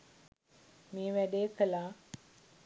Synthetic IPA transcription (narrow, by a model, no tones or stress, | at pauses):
meːʋæɖejkəlaː